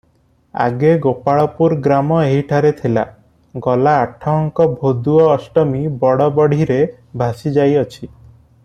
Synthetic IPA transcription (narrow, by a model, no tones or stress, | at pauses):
a̰ɡeɡopaɭɔpuɾɡɾamɔeɦiʈʰaɾet̪ʰila̰ | ɡɔlaːʈʰɔŋkɔbʱod̪uɔːsʈɔmibɔɽɔbɔɽ̤iɾe | bʱasid͡ʒajɔt͡ʃʰi